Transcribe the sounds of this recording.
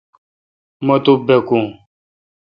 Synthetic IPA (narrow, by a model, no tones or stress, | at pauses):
mɐt̪ubekũ